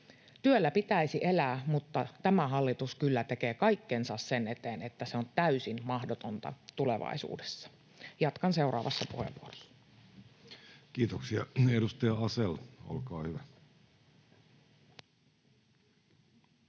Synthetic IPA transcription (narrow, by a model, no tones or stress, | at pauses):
t̪yølːæpit̪æisiʔelæːmut̪ːɑt̪æmæɦɑlːit̪uskylːæt̪e̞keːkɑikːensɑssene̞t̪eːnet̪ːæseont̪æysinmɑhdot̪ont̪ɑ̰t̪ulḛʋɑ̰isṵːde̥sːɑ̥ | jɑt̪kɑnse̞urɑ̰ːʋɑsːɑpuhḛʋʋuorosːɑ̥ɑ | kiːt̪oksiɑedust̪ɑjɑɑselo̰lkɑːhyʋæ